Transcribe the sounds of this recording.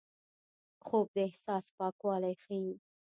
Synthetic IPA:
xoːb̚d̪əɪhsɑːspɑkwɑːlajxi

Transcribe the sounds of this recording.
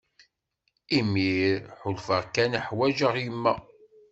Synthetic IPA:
imiɾħʊlfəʁkæniħwæʒəʁjəmːæ

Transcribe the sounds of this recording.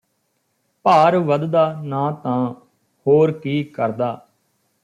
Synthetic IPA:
paːɾʋəd̪d̪aːnãːt̪ãː | hoːɾkiːkəɾd̪aː

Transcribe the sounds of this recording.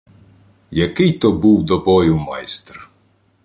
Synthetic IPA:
jɐkɪjt̪ɔbuwd̪ɔbɔjʊmɑjst̪r

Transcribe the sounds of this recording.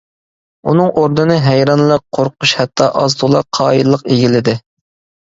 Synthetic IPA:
unɨŋʔoɾd̪ɨnɨɦæjɾɑnlˠɑqʰoɾqʰʊʃhɛt̪ʰːɑʔɑzd̪ulˠɑqʰɑːjilˠːəqeɡʲilɪd̪ɪ

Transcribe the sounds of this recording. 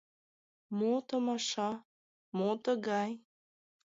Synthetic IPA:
mot̪əmɑʃɑ | mot̪əɣɑj

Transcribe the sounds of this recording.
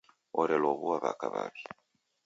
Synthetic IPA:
ɔɾeloβuwaβakaβa̰βi̥

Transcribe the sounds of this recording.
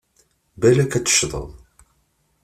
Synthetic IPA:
bælækæt͡sːə̥ʃðˤə̰ðˤ

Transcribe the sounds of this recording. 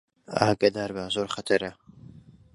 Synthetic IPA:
aːɡaːd̪aːɾbazoːɾχɐt̪ʰɐɾɐ

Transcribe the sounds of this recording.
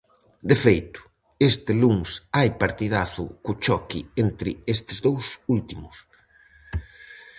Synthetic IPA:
d̪efejt̪ʊ̥ | est̪ɪluŋsajpaɾt̪ið̞aθʊ̰kʊt͡ʃɔkient̪ɾɪest̪ɪzðowsult̪imʊs

